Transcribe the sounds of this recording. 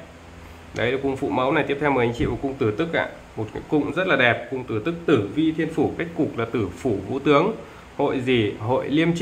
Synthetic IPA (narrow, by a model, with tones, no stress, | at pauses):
ɗə˨˦jlɨ˨˩kʊ˧ŋ͡mfṵ˧˩mə˨˦wna˨˩jt̪i˦˥əp̚t̪ʰɛ˧wməː˨˩t͡ɕa˨˦ŋt͡ɕḭ˧˨vaː˨˩kʊ˧ŋ͡mt̪ɨ˧˩t̪ɨ˦˥k̚ʔa̰ː˧˨ | mo˨˩t̚kɨ̰˧˦kʊ̰˧˨ŋ͡mzə˦˥t̚laː˨˩ɛ˨˩p̚kʊ˧wŋ͡mt̪ɨ˧˩t̪ɨ˦˥k̚t̪ɨ˧˩vi˧t̪ʰi˧ənfu˧˩ka˦˥jk̟̚ku˨˩k̚laː˨˩t̪ɨ˧˩fu˧˩vṵ˧˥t̪ɨ˨˦əŋ | ho̰˧˨jzi˨˩ɦo̰˧˨jli˧əmt͡ɕ